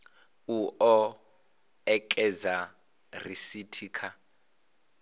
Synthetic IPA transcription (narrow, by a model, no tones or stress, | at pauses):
uʔɔ | ɛkʼɛd͡za | risitʰiːkʰa